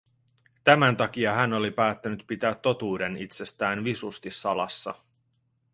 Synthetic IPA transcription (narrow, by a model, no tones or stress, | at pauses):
t̪æmænt̪ɑk̟iɑɦæno̞lipæːt̪ːænyt̪pit̪æːt̪ːo̞t̪uːde̞nit̪se̞st̪æːnʋisust̪isːɑlɑ̰sːɑ̰